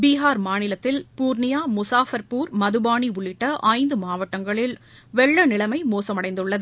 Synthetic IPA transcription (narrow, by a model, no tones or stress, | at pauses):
biːɦaːɾmaːnɪlɐt̪ːɪlpuːɾnɪjaːmʊsaːfɐɾpuːɾmɐðɯbaːɳiʊɭːɪʈːɐʔɐɪnd̪ɯmaːʋɐʈːɐŋɡɐɭɪl | ʋɛɭːɐnɪlɐmɐɪmoːsɐmɐɽɐɪnd̪ɯɭːɐðɯ